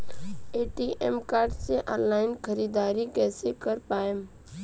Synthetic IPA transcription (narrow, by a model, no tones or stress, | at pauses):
eːʈiːʔemkaːɾɖseʔɔ̃ːnlaːɪnkʰəɾiːd̪aːɾikɛːsekəɾpaːem